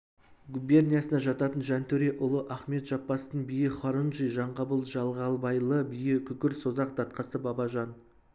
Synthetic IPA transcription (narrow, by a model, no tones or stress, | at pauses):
ɡube̞rnʲijɑsənɑʒɑt̪ɑt̪ənʒænt̪ʰɵɾe̞ʔʊlˠəʔæχme̞t̪ʒ̥ɑpːɑst̪əɴbijɪχɑɾunʒijʒɑɴqɑbəlˠʒɑlˠʁɑlˠbɑjlˠəbijɪkʲʰʏkʲɪɾso̞zɑq̚d̪ɑt̪qɑsəbɑbɑʒɑn